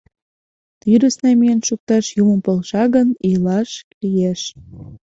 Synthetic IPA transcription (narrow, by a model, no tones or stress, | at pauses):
t̪yɾə̆snɑmijənʃuk̚t̪ɑʃjuməmpolʃɑɣənijlɑʃklijeʃ